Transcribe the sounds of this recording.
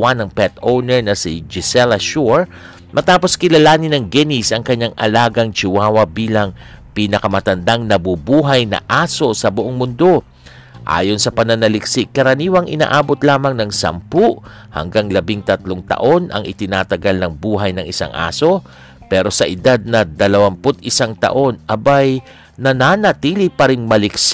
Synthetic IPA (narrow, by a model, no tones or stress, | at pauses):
wanɐŋpɛt̪ownɛɹnɐsid͡ʒɪsɛlɐʃuɹ | mʔɐt̪aːpo̞skɪlɐlaːnɪnɐŋɡɛnisɐŋkɐɲːaŋʔɐ̰laːɡɐŋt͡ʃɪwaːwɐbiːlɐŋ | piːnɐkɐmɐt̪ɐnd̪aŋnɐbubuːɦɐjnɐ̰ʔaːso̞sɐbʊʔoŋmʊnd̪o̞ | ʔa̰ːjo̞nsɐpɐnɐnɐlɪksɪkɐɾɐniːwɐŋʔɪna̰ːʔaːbot̪laːmɐŋnɐŋsɐ̰mpuʔ | hɐ̰ŋɡaŋlɐbɪŋt̪ɐt̪loŋt̪ɐ̰ʔo̞nʔɐ̰ŋʔɪt̪ɪnaːt̪ɐɡalnɐŋbuːɦɐjnɐŋʔɪsa̰ŋʔa̰ːso̞ | pɛːɾo̞sɐʔɪd̪ad̪̚nɐd̪ɐlɐwɐmpʊt̪̚ʔɪsaŋt̪ɐ̰ʔo̞nʔɐbaj | nɐnanɐt̪iːlɪpɐɾɪŋmɐlɪks